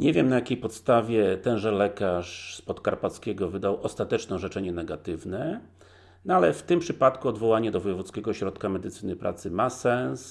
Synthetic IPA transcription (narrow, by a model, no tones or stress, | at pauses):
ɲɛvʲjɛmnajakʲejpɔt̪st̪avʲjɛt̪ɛnʐɛlɛkaʂspɔt̪kaɾpat̪skʲɛɡɔvɘd̪awʔɔst̪at̪ɛt͡ʂnɔ̃w̃ʐɛt͡ʂɛɲɛnɛɡat̪ɘvnɛ | nɔalɛft̪ɘmpʂɘpat̪kuɔd̪vɔwaɲɛd̪ɔvɔjɛvut̪skʲɛɡɔɕɾɔt̪kamɛd̪ɘt̪sɘnɘpɾʔa̰t̪sɘmasɛns